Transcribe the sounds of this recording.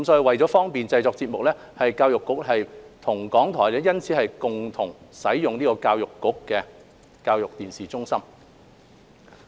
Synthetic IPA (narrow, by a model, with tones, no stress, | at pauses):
kɐ˦ms̬ɔː˨˥ji˨˧wɐ˨˩jt͡sɔ˨˥fɔː˥ŋpiː˨nt͡sɐ˧jt͡sɔː˧k̚t͡si˧t̚mʊ˨k̚lɛː˥ | hɐ˨jkaː˧wjʊ˨kːʊ˨˥k̚ɦɐ˨jt̪ʰʊ˨˩ŋkɔː˨˥ŋt̪ʰɔː˨˩jlɛː˨˥jɐ˥nt͡sʰi˨˥hɐ˨jkʊ˨ŋt̪ʰʊ˨˩ŋsɐ˨˥jːjʊ˨ŋniː˥kɔː˧kaː˧wjʊ˨˩kːʊ˨˥kːɛ˧ | kaː˧wjʊ˨k̚t̪iː˨˩nsiː˨˩t͡sʊ˥ŋsɐ˥m